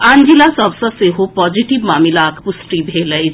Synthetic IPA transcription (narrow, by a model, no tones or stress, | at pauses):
ãːnd͡ʒilasɔbsəseɦopɔːd͡ʒiʈiʋmaːmɪlakpʊsʈibʱeːləi